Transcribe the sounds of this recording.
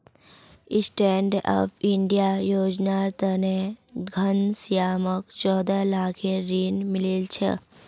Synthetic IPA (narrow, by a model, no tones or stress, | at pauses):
isʈeːɳɖa̰ːpʰiɳɖijajoːd͡ʒnaːɾt̪əneɡʱənsijaːməkt͡ʃɔːd̪alaːkʰeɾiːnmɪlelt͡ʃʰḛ